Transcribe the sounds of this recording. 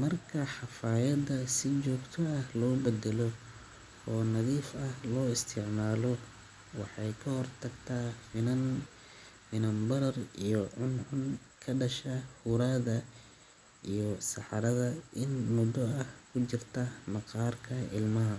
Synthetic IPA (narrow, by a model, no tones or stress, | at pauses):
mɐrkʰɐħɑfaːjɐd̪ɐsɪt͡ʃɔːɡt̪ʰɔɐhlɔːbɛd̪ɛlɔ | ɔːnɐðiːfɐhlɔːɪst̪ʰɪʕmaːlɔ | wɑħɑjkʰɐhɔrt̪ʰɐɡt̪ʰaːfɪnɐn | fɪnɐmbɐɾɐrijɔʕʊnʕʊŋ | kʰɐɖɐʃɐhuɾaðɐ | ijɔsɑħɑɾɐðɐɪnmʊd̪ɔɐhkʰʊt͡ʃɪrt̪ʰɐmɑqɑːrkʰɐʔɪ̰lmɐɦɐ